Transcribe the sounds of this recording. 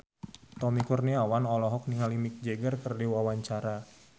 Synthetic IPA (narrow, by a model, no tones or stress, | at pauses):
t̪ɔmikurniawanɔlɔɦɔk̚niŋalimik̚d͡ʒeɡərkərdiwawaɲt͡ʃaɾa